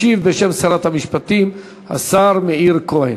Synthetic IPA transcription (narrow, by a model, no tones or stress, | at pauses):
ivbeʃe̞msaɾat̪hamiʃpat̪im | ha̰saɾmeiɾkohe